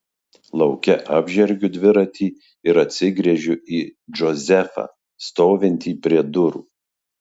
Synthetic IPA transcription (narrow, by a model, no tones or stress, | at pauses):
lˠɒʊkʲɛʔɑːbʲʒʲɛɾʲɡʲʊd̪ʲʋʲɪɾɐt̪ʲiː | ɪɾɐt̪ʲsʲɪɡɾʲɛʒʲʊiːd͡ʒɔzʲɛfɑ̰ | st̪oːʋʲɪnʲt̪ʲiːpʲɾʲiɛd̪ʊɾṵː